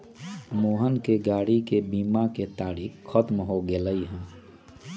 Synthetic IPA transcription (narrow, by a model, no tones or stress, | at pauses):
moːɦənkeɡaːɽikebiːmaket̪aːɾiːkxət̪mɦoɡeləiɦɛ̃ː